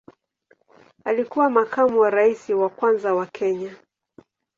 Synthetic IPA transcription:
alikuwamakamuwaɾaisiwakwanzawakʰɛɲa

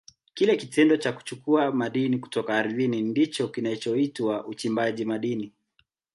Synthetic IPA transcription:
kilɛkitɛndɔt͡ʃaku̥t͡ʃukuamaɗiniku̥tɔkaːɾiðinindit͡ʃɔkinat͡ʃɔitwaut͡ʃimbaʄimaɗini

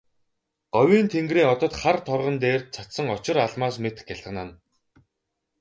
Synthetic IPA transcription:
ɢ̥ɔwʲiːnt̪ʰeŋɡriːɔt̪ɞ̆t̪χart̪ʰɔrʁə̆nt̪eːr̚t͡sʰat̪sə̆ŋɔt͡ɕɪ̆ɾaɮmaːsmet̪ɘ̥̆xjaɮə̆nan

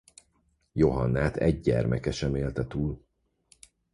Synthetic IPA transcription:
jo̞ɦɒnːaːt̪ɛɟɟɛ̰rmʔɛkɛʃɛmeːlt̪ɛt̪uːl

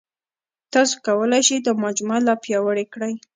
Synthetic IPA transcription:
t̪ɑso̥kawəlajʃid̪əmad͡ʒmalɑpjɑwəɽekɽaj

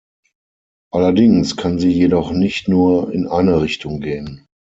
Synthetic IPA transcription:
ʔalɐdɪŋskʰanziːjedɔχnɪçtnuːɐɪ̰nʔaɪnəʁɪçtʊŋɡeːən

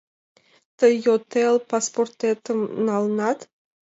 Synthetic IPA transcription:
t̪əjot̪elpasport̪et̪əmnalnat̪

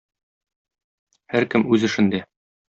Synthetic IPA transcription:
hæɾkɘmʉzɘ̆ʃɘ̆nd̪æ

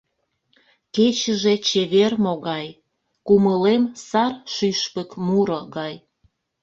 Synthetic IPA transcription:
ket͡ɕə̆ʒet͡ɕeβermoɣɑj | kuməlemsɑrʃyʃpəkmuɾoɣɑj

